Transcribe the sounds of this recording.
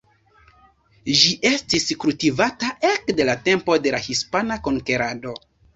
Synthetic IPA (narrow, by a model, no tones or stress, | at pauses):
ʒiʔe̞stiskultivataʔe̞kde̞late̞mpo̞de̞lahispanako̞ŋke̞ɾado̞